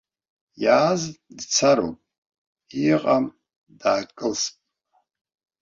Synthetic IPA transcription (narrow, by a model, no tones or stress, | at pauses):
jaːzdt͡sʰaɾo̰pʼ | iqʼam | daːkʼɨlspʼ